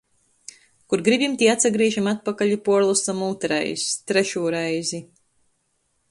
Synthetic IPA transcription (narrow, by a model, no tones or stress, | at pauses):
kuɾɡɾibʲimt̪ʲiːat̪saɡɾiɛʒimat̪̚pakaʎipuɔɾlˠust̪amuːt̪ɾɛ̰jst̪ɾɛʃuːɾɛjzi